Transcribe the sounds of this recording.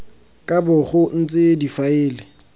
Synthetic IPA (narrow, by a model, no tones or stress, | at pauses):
kʼabʊχʊn̩t͡sʼɪdifaɪːlɪ